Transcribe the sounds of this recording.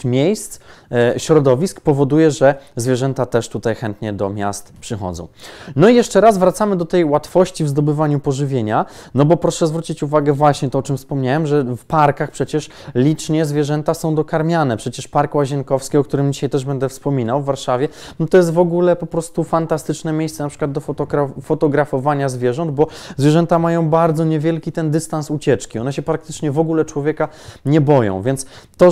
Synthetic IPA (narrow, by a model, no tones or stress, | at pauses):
mʲjejst̪sɕɾɔd̪ɔvʲiskpɔvɔd̪ujɛʐɛzvʲjɛʐɛnt̪at̪ɛʂt̪ut̪ajxɛnt̪ɲɛd̪ɔ̰mʲja̰st̪pʂɘxɔ̰d̪zɔ̰̃w̃nɔijɛʂt͡ʂɛɾazvɾat̪samɘd̪ɔt̪ɛjwat̪fɔɕt͡ɕivzd̪ɔbɘvaɲupɔʐɘvʲjeɲanɔbɔpɾɔʂɛzvɾut͡ɕit͡ɕuvaɡɛvwaɕɲɛt̪ɔɔt͡ʂɘmfspɔmɲawɛmʐɛfpaɾkaxpʂɛt͡ɕɛʂ | lʲit͡ʂɲɛzvʲjɛʐɛnt̪asɔ̃w̃d̪ɔkaɾmʲjanɛpʂɛt͡ɕɛʂpaɾkwaʑɛnkɔfskʲiɔkt̪uɾɘmd͡ʑiɕajt̪ɛʐbɛnd̪ɛfspɔmʲinawvːaɾʂavʲjɛ | nɔt̪ɔjɛst̪vɔɡulɛpɔpɾɔst̪ufant̪ast̪ɘt͡ʂnɛmʲjejsɛnapʂɘ̥kwad̪̚d̪ɔɔafɔt̪ɔɡɾafɔvaɲazvʲjɛʐɔnd̪̚bɔzvʲjɛʐɛnt̪amajɔ̃w̃baɾd̪zɔɲɛvʲjɛlkʲit̪ɛnd̪ɘst̪ansut͡ɕɛt͡ʂkʲiɔnɛɕɛpɾak̚t̪ɘ̥t͡ʂɲɛvɔɡulɛt͡ʂwɔvʲjɛka | ɲɛbɔjɔ̰̃w̃vʲjɛnt̪s | t̪ɔ